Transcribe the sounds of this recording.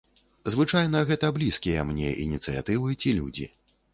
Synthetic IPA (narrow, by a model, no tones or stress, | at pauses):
zvɨt͡ʂajnɐɣɛt̪ɐblʲiskʲijɐmnʲɛʔḭnʲit̪sɨja̰t̪ɨvɨt͡sʲilʲṵd͡zʲḭ